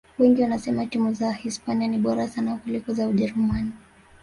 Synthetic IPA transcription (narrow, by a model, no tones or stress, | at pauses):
wɛŋɡiwanasɛmatimuzahispanianiɓɔɾasanakulikɔzauʄɛɾumani